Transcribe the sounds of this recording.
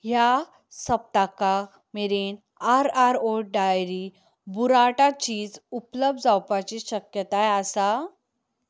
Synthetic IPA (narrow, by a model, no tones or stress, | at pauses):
ɦja | səp̚t̪aka | meɾen | aɾaɾoɖajɾi | buɾaʈat͡ɕiːd͡zupləb̚d̪d͡zawpat͡ɕiɕəkjət̪ajasa